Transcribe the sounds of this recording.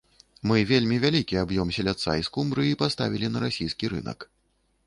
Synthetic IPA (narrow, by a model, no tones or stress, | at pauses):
mɨvʲelʲmʲivʲalʲikʲiabjɔmsʲɛlʲat̪sːa̰iskumbɾɨipast̪a̰vʲilʲinɐɾasʲijskʲiɾɨ̰nɐ̰k